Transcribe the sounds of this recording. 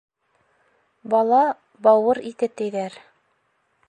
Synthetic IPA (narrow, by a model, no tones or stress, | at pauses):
bɑlˠɑ | bɑwɤɾit̪ɘt̪ɘ̆jðæɾ